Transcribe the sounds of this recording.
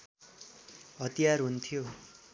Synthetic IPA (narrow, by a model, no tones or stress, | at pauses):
ɦʌt̪ijarɦunt̪ʰijo